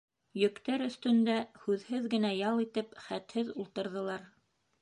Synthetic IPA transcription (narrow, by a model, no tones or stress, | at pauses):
jɵ̆kt̪æɾɵ̆θt̪ɵ̆nd̪æhʉðhɘðɡɘ̆næjɑlˠit̪ɘpχæt̪hɘðulˠt̪ɤ̆ɾðɤ̆lˠɑɾ